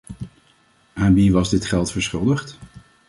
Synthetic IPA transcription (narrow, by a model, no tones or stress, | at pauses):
aːnʋiʋɑzdɪtχɛlˠtfəɹsχʏlˠdəχt